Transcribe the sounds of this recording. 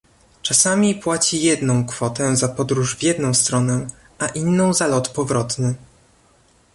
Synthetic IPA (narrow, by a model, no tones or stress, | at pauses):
t͡ʂasamʲipwat͡ɕijɛd̪nɔ̃w̃kfɔt̪ɛzapɔd̪ɾuʐvʲjɛd̪nɔ̃w̃st̪ɾɔnɛ | ʔaʔinːɔ̃w̃zalɔt̪pɔvɾɔt̪nɘ